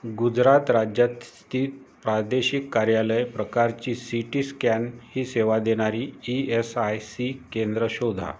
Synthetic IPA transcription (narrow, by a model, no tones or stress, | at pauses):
ɡud͡zɾat̪ɾad͡ʑjat̪st̪iːt̪̚pɾad̪eɕikːaɾjaləjpɾəkaɾt͡ɕiːsiʈiːskænhiːseʋad̪eɽ̃aɾiːiesajsikend̪ɾəɕod̪ʱa̰